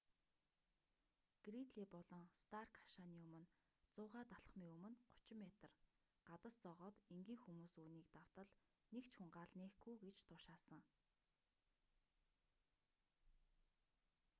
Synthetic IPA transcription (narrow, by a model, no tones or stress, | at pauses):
ɡ̥rit̪ɮiːpɔɮɞ̆ŋst̪ʰarkʰḁʃaniːɵmɵ̆n | t͡sʊːʁaːt̪aɮ̆χmiːŋɵmɵ̆nɢʊ̥t͡ɕɪ̆mːet̪ə̆r | ɢ̥at̪ə̆st͡sɔʁɔːt̪eŋɡiːŋxumuːsuːniːk̚t̪aw̥t̪ə̆ɮ | nekt͡ɕxuɴɢaːɮneːxɡujɡet͡ɕt̪ʰʊʃaːsə̆ŋ